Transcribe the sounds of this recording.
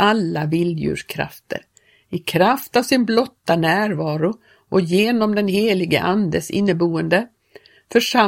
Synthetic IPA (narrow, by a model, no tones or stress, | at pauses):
alːavɪljʉ̰ːʂkʰɾa̰ft̪ʰə̰ɾ | ɪkʰɾaft̪avsɪnblɔt̪ːanæːɾvɑːɾʊ | ʔɔjeːnɔmd̪ɛnɦeːlɪɡə̰ʔand̪əsɪ̰nːəbuːənd̪ə | fœʂa